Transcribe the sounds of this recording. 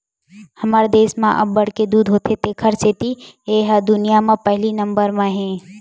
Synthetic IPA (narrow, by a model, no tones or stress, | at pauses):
hɐmaːɾed̪eːsmãʔɐ̰bːɐɽked̪uːd̪ɦoːt̪ʰet̪ekʰəɾset̪ieːɦəd̪ʊnijamãpɛɦlinə̃mbəɾmãɦɛ̃ː